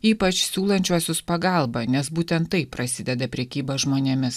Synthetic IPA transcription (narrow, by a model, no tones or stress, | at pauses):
iːpɐt͡ʃsʲuːlˠɐnʲt͡ʃʲuɔsʲʊspɐɡɐlˠbɐnʲɛsbuːt̪ʲɛnt̪ːɐɪpːɾɐsʲɪd̪ʲɛd̪ɐpʲɾʲɛkʲiːbɐʒmoːnʲeɛmʲɪs